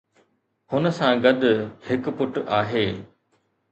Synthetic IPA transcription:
hʊnə̆sãɡɐd̪ʱʊhɪkpʊʈaːɦeː

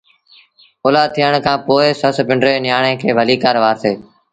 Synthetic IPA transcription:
oːlaːt̪ʰiːəɳ̃kʰãːpoːɪsəspɪɳɖɾeːnɪjaːɳẽːkʰeːbʱəliːkaːɾʋaːɾt̪ʰeː

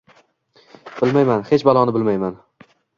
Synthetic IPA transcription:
b̥ɪlmajmanhe̞t͡ʃbalˠɒnɪbɪlmajman

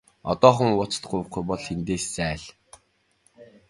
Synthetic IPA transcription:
ɔ̰t̪ɔːχə̆ŋʊt͡st̪ɢʊjw̆χɡujpɔɮxent̪eːst͡sæːɮ

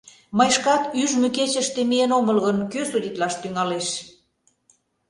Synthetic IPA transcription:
məjʃkɑt̪yʒmyket͡ɕə̆ʃt̪emienoməlɣənkøsud̪ʲit̪lɑʃt̪yŋɑleʃ

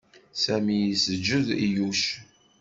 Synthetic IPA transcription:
sæmijisəd͡ʒːəðijuʃ

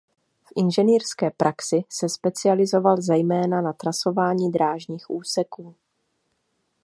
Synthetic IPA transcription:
fʔɪnʒɛniːɾskɛːpɾʔaksɪsɛspɛt͡sɪalɪzo̞valzɛjmɛːnanat̪ɾaso̞vaːɲiːd̪ɾaːʒɲiːxʔuːsɛkuː

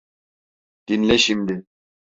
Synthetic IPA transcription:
d̪̥inlɛʃimd̪i

